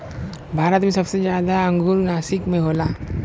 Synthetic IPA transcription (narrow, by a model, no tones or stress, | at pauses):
bʱaːɾət̪mẽsɐbsezjaːd̪aɐ̃ŋɡʊɾnaːsɪkmẽɦoːlaː